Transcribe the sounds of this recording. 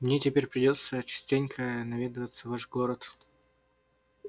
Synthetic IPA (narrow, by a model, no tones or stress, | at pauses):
mnʲetʲɪpʲeɾʲpɾʲɪdʲo̞t̪sət͡ɕɪ̥sʲtʲenʲkʰənɐvʲid̪əvət̪sːəvaʂɡoɾət̪